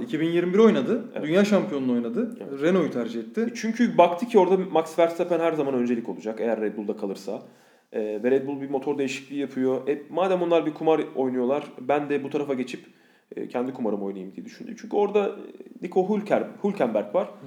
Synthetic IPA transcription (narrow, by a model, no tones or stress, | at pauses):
icʰibinjiɾmibiɾo̞jnad̪ɯdḛynjaːʃampʰijo̞nuno̞jnad̪ɯevɛɾeno̞jyt̪ʰæɾd͡ʒihɛt̪ʰːɪt͡ʃʰyɲcʰybakt̪ʰɯcʰio̞ɾd̪amaksvæɾt̪sepænɦæɾzamanø̞nd͡ʒe̞lʲicʰo̞lˠud͡ʒake̞jæɾːɛd̪̚bulˠd̪akʰalˠɯɾsa | ɛːvɛɾɛd̪bulˠbimo̞t̪ʰo̞ɾd̪e̞jiʃi̥clʲiːjapʰɯjo̞ʔɛmaːd̪æmonˠaɾbikʰumaɾo̞jnujo̞lˠaɾbænd̪ɛbut̪ʰaɾafaɟe̞t͡ʃʰipː | cʰɛnd̪ikʰumaɾɯmo̞jnajɯmd̪ijed̪yʃynd̪y̰mt͡ʃʰyɲcʰyo̞ɾd̪anikʰo̞ɦulʲcʰhulʲcʰæmbæɾkvaɾ̥